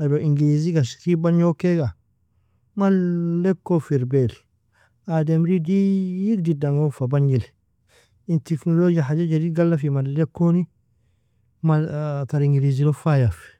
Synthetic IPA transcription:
adoʔiŋɡiliziɡaskibaɲokeɡa | malɛkːofiɾbel | ademɾidijikdidaŋofabaɲil | intiknolod͡ʒiahad͡ʒad͡ʒadiɡalːafimallɛkːoni | mataɾiŋɡiɾizilofajaf

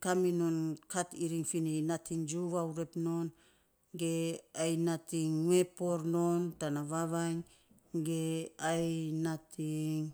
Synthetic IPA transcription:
kaminonkatiɾiŋfininatʰiŋd͡ʒuβauɾepno̞n | ɡe̞ajnatiŋːuepoɾnontanaβaβajŋ | ɡeajnatiŋ

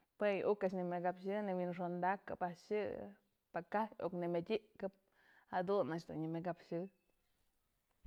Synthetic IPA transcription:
pwejʔukat͡ʃnimeɡapʃɨnewinʂond̪aka̰paʃɨ | pakajo̰knemedʲiʔkɨp̚ | had̪unat͡ʃd̪ṵnɲimeɡapʃɨ

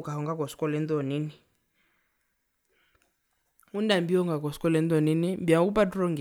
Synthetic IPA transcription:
kʼaɦɔŋɡakɔskʼɔlɛnd̪ɔniːni | undambiɔŋɡakɔskɔlɛnd̪ɔninimbiakupadrɔŋɡ

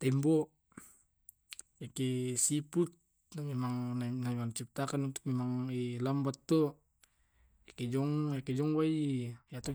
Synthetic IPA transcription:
t̪ɛmbɔ | jakesiput̪̚ | mɛmaŋnnaɛmaŋnt͡ʃip̚t̪akanunt̪u̥k̚mɛmaŋɛlambat̪ːo | akɛd͡ʒɔŋjakɛd͡ʒɔŋwaijat̪ɔ

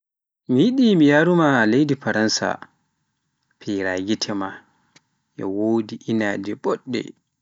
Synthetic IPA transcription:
mijiɗimijaːɾumalejdifaɾansa̰ | pʰiɾaːɡitʰɛma | ʔɛ̰woːdiʔinaːd͡ʒɛɓɔɗːɛ̰

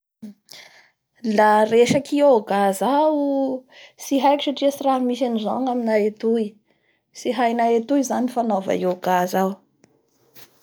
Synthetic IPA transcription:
lareʃakiooɡaza | siɦajkʲi̥ʃaʈ͡ʂiəsiraɦmisanizoŋaminaet̪ui | siɦajnaet̪uizanifanova̰ioɡazaw

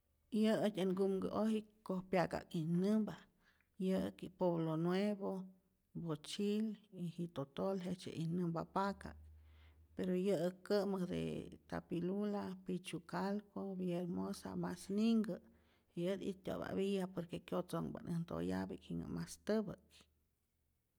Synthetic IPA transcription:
jəət̪ʲəŋɡumɡə̰ʔohikohpjaka̰kinɨmba | jəkipeβlonweβo | bot͡ʃilihiʔt̪ot̪olɦet͡ʃḛʔinɨmbapaka̰k̚peɾojəəkːəməhd̪ḛt̪a̰pilulapit͡ʃukalkobjelmosa̰masniŋɡə | iəd̪ḭt̪ʲo̰βa̰βijapoɾkekjot͡soŋbə̰nʔənd̪o̰ja̰bikhiŋə̰mast̪əbək

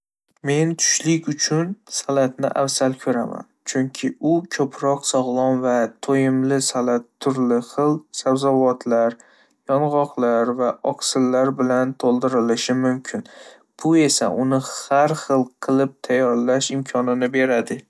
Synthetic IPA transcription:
me̞nt̪ʰʊ̥ʃlɪkʲʊt͡ʃʰʊnsalat̪nɪ̰ʔafsalkʲʰɵɾama̰nt͡ʃʰʊŋkʲʰɪʊkʲʰɵpʰɾɒqsɒʁlˠɒnvat̪ʰojɪmlɪsalat̪ʰːʊɾlɪχɨlˠsabzɒvɒt̪ʰlaɾ | jɒnʁɒqʰlaɾvaɒksɪlːaɾbɪlant̪ʰolˠd̪ɪɾɪlɪʃɪmʊmkʲʰɪn | b̥ʊe̞sa̰ʔʊnɪhaɾχɨlˠqʰɨlˠɪp̚t̪ʰajːɒɾlaʃɪmkʰɒnɪnɪbe̞ɾad̪ɪ

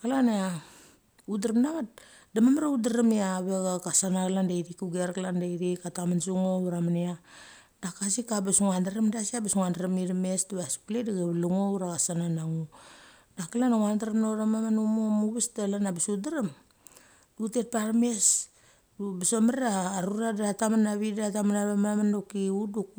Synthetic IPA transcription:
kalana | udaɾamnaɡat | damamaɾeudaɾamiaβeɡakasanakalandajɾikuɡeɾkalandajɾikatamansuŋoɾamania | dakasikabesuŋandaɾamdasiabesŋandaɾamiɾmestuβaspledaɡaβluŋouɾakasananaŋu | dakalanaŋandaɾamnoɾamamanomomuβistalanabisudaɾem | dutet̚paɾme̞s | bisomaɾeaːɾuɾadatamanaβidatamanaβemamandokiuduk̚

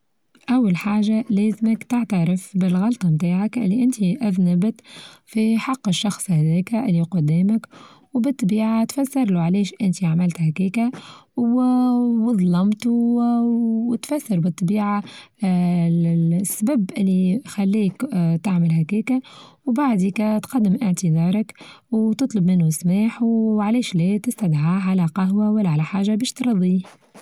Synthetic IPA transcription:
ʔawːalħaːʒaleːzməkt̪ɪʕt̪aɾɪfbɪlɣɑlt̪ˤɑmt̪aːʕakʔɪlːiʔɪnt̪iʔaðnɪbt̪fiħɑqːəʃːɑxsˤhæðeːkʔɪlːiqʊd̪ːiːmək | wbɨt̪ˤːbiːʕat̪fasːɑɾˤluʕleːʃʔɪnt̪iaʕmɪlt̪hækiːkawwðˤlɑmt̪u | wt̪fæsːɑɾˤbɨt̪ˤːɑbiːʕa | sːbæbʔɪlːixælːiːkt̪aʕməlɦækɛːkawbaʕd̪ikæt̪qɑd̪ːɪmʔɪʕt̪əd̪ɑːɾˤɑk | wt̪ɨt̪ˤlɑbmɪnːusmaːħwʕlɛːʃlɛt̪ɪst̪ad̪ʕaːʕalæqɑɦwawælːæʕalæħaːʒabɛːʃt̪ɾˤɑd̪ˤi

